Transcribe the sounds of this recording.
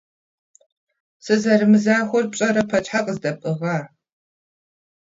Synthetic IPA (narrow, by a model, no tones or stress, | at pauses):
sɨzɐɾɨmɨzaːxʷʊrpɕʼɐɾɐpʰɐt͡ʃħaqʼəzdɐpʼɨʁɑː